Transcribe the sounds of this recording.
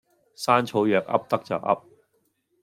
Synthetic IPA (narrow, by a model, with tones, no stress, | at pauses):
saː˥nt͡sʰo˨˥wjœː˨k̚ɐ̰˥p̚t̪ɐ˥k̚t͡sœː˨k̚ɐ̰˥p̚